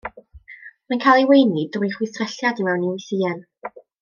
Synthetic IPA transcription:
mankʰaːlˠiwejnidrinχwɪsrɛɬjadimɛwniwiθiːɛn

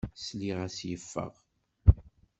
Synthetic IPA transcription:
sliʁæsjəfːə̰ʁ

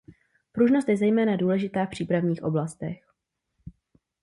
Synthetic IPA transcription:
pɾuʒno̞st̪jɛzɛjmɛːnaduːlɛʒɪt̪aːfpr̝̥iːpɾavɲiːxʔo̞blast̪ɛ̰x

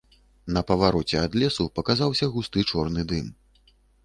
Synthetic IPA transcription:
nɐpɐvaɾɔt͡sʲɛad̪lʲɛsupɐkazawsʲɐɣust̪ɨt͡ʂɔrnɨd̪ɨm

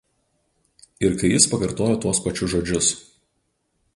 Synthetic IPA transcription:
ɪɾkɐɪjɪspɐkɐɾt̪oːjoːt̪uɔspɐt͡ʃʲʊʒoːd͡ʒʲʊs

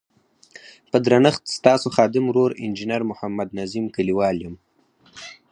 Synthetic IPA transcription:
pəd̪ɾanəxt̪st̪ɑːsoxɑːd̪ɪmɾoɾɪ̰nd͡ʒɪnaɾmʊhamːad̪nazimkaliwɑːljəm

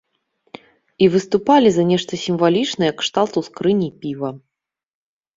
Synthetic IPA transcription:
ivɨst̪upalʲizɐnʲɛʂt̪ɐsʲimvalʲit͡ʂnɐjɐkʂt̪alˠt̪uskɾɨnʲipʲivɐ

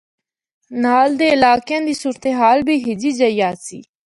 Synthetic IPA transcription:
naːld̪eːɪlaːkjãːd̪iːsuːɾt̪eɦaːlbʱiːɦɪd͡ʒiːd͡ʒəɪjaːsḭː

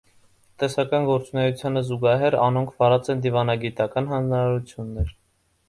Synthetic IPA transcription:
t̪ɛsɑkɑnɡɔɾt͡sunɛjut͡sʰjɑnəzuɡɑɦɛɾɑnɔŋkʰvɑɾɑt͡sɛnd̪ivɑnɑɡit̪ɑkɑnɦɑnd͡znɑɾɑɾut͡sʰjunːɛɾ

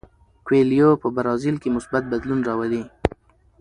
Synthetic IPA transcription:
kweljopəbaɾɑzɪlkemʊsbat̪̚bad̪lunɾɑwali

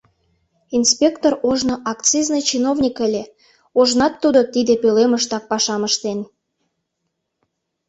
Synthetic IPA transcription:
inspʲekt̪oroʒnoʔɑkt͡siznɨjt͡ɕinovnʲikəlʲe | oʒnɑt̪ːud̪ot̪id̪epøleməʃt̪ɑk̚pɑʃɑməʃt̪en

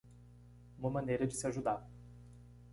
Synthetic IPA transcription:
ũmɐmɐ̃nejɾɐd͡ʒɪsɪaʒud̪aɾ

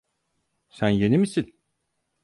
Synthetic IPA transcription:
sænjenimisin

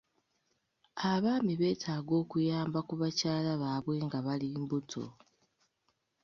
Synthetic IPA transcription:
aβaːmiβe̞ːtʰaːɡo̞ːkujaːmbakuβacaːlaβaːβwe̞ːŋɡaβaliːmbutʰo̞̰

